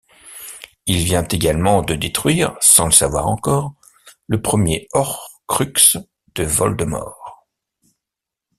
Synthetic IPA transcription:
ilvjɛ̃t̪eɡʲalmɑ̃d̪əd̪et̪χɥiːʁsɑ̃ləsavwa̰ʁɑ̃kɔʁ | ləpχəmjeɔʁkχyks | d̪̥əvɔ̰ld̪əmɔ̰ʁ

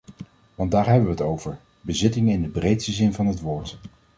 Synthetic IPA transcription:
ʋɑndaːɹɦɛbəʋəətowvəɹ | bəzɪtɪŋəɪndəbrejtstəzɪnvɑnɦətʋʊːɹt

